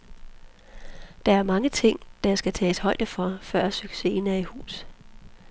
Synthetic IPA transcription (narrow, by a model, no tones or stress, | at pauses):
d̥ɑ̈æɐmɑ̈ŋət͡sʰe̝ŋ̰d̥ɑjɑ̈sɡ̥æt͡sʰɛ̰ːshɒ̽ɪd̥əfɒ̽fɶɐ̰syɡ̥se̝̰ːnæɐihṵːs